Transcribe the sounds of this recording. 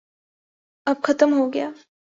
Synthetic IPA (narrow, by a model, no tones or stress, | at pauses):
ɐb̚kʰɐt̪əmɦoɡjaː